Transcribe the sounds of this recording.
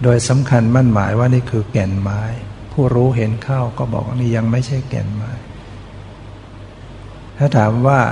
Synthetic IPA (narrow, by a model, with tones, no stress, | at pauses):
doː˧jsa˩˦mkʰa˧nma˥˩˨nma̰ː˩˦jwaː˥˩niː˥˩kʰɯː˧kɛ˨˩nmaː˦˥jpʰuː˥˩ɾuː˦˥ɦe˩˦nkʰa˥˩wkɔː˥˩bɔ̰ː˨˩k̚niː˥˩ja˧ŋma˥˩jt͡ɕʰa˥˩jkɛ̰˨˩nmaː˦˥j | t̪ʰaː˥˩t̪ʰaː˩˦mwaː˥˩